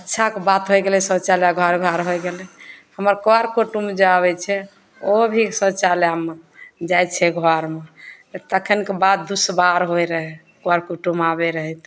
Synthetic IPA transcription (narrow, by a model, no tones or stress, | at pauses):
ətːʃʰakebat̪ɦojɡelɛsət͡ʃaljaɡʱɔɾɡʱɔɾɦojɡelɛhəməɾkoaɾkoʈumd͡ʒeabɛt͡ʃʰɛ | obʱisət͡ʃaljamed͡ʒajt͡ʃʰɛɡʱɔɾme | t̪əkʰənkebad̪̚d̪usbaɾɦoeɾəɦɛ | koaɾkuʈumabeɾəɦɛt̪